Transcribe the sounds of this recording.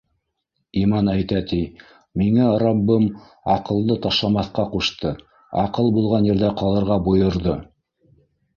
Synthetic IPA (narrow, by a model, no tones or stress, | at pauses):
imɑnæjt̪æt̪i | miŋæɾɑbːɤm | ɑqɤ̆lˠd̪ɤt̪ɑʃlˠɑmɑθqɑquʃt̪ɤ | ɑ̰qɤlˠbulˠʁɑnjɘ̆ɾðæqɑlˠɤ̆ɾʁɑbujɤ̆ɾðɤ